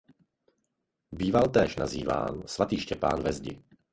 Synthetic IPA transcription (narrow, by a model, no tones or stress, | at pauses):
biːvalt̪ɛːʃnaziːva̰ːnsvat̪iːʃcɛpa̰ːnvɛzɟɪ̰